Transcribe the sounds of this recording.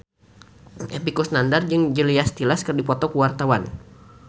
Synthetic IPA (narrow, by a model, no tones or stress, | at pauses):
ʔepikusnandard͡ʒɨŋd͡ʒəliast̪ilaskərdipɔt̪ɔkəwart̪awan